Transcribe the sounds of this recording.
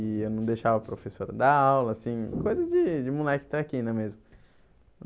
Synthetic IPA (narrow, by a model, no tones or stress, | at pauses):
ɪewnɐ̃w̃d̪ejʃavɐpɾofesoɾɐd̪aawlɐːsĩkojzɐzd͡ʒɪd͡ʒɪmulɛkɪ̥t̪ɾakĩnɐmezmʊ